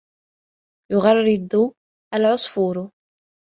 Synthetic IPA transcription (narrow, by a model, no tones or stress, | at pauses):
jʊɣɑrˤːɪd̪ˤʊ | ʔalʕʊsˤfuɾʊ